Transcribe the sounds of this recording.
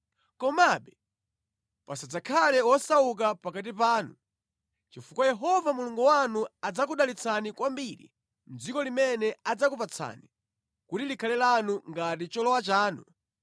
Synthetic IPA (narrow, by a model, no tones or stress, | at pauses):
kɔmaɓɛ | pasad͡zakʰalɛwɔsauk̬apakat̬ipaːnu | t͡ʃifukwajɛɦɔvamuluŋɡuwanuad͡zak̬uɗalit͡sʰanikwambiɾḭ | m̩d͡zikɔlimɛnɛad͡zakupat͡sʰa̰ːni | kutilikʰalɛlanuŋɡat̬it͡ʃɔlɔwat͡ʃaːnu